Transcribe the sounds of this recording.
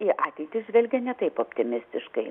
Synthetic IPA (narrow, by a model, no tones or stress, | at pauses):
iʔɑːt̪ʲɛɪt̪ʲɪʒʲʋʲɛlʲɡʲɛnʲɛt̪ɐɪpoːpʲt̪ʲɪmʲɪsʲt̪ʲɪʃkɐɪ